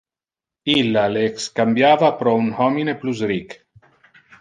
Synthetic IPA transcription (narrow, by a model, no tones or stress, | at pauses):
ilːaleːkskambjaːvapɾɔunhɔmineplus̬ɾik